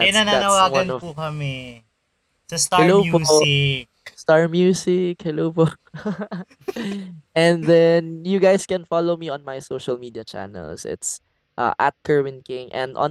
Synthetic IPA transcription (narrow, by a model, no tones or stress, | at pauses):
ɛnanaanɐwaːwɐnɔpukɐmɛ | sɐsahɛlowpoɪk̚ | st̪aɹmjuːsɪkhɛlowpo | ɛ̃nðɛnjʊɡajskɛ̃nfalowmiɔ̃nmajsoːʃɐlmid̪iɐt͡ʃa̰nɛ̰lsɪ̰t̪s | ʔa̰ʔɐ̰t̪̚kʰəɹwɪ̃nkɪ̃ŋʔɛ̰̃nd̪ʔɔ̰̃n